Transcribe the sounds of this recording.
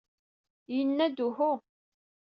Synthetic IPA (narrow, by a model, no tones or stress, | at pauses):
jənːæd̪uhʊ